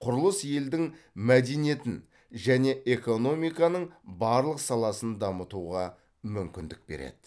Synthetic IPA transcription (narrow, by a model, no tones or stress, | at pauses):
qʰʊɾəlˠəsje̞ld̪ɪŋ | mæd̪enije̞t̪ɪn | ʒæne̞ʔe̞ko̞no̞mijkɑnəɴbɑɾlˠəqsɑlˠɑsənd̪ɑmət̪uʁɑ | mʏmkʲɪnd̪ɪk̚be̞̰ɾḛd̪̥ɪ̥